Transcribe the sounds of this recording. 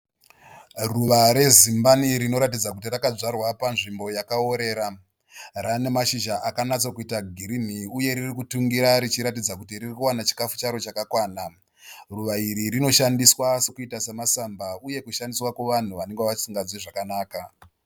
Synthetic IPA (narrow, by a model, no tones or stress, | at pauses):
ruʋaɾe̞zimbaniɾino̞ɾat̬id͡zakutirakad͡zarwapanʐimbo̞jakao̞ɾe̞ːɾa | rane̞maʃiʒaʔakanat͡sokuitaɡʱiɾin̤iuje̞ɾirikutuŋɡiɾaɾit͡ʃiɾatid͡zakutiririkuwanat͡ʃi̥kafu̥t͡ʃaɾo̞t͡ʃakakwaːna | ruʋaiɾiɾino̞ʃandiswasekuitasemasambauje̞kuʃandiswakweʋan̤uʋane̞ŋɡeaʋasiŋɡad͡ziʐakanaːka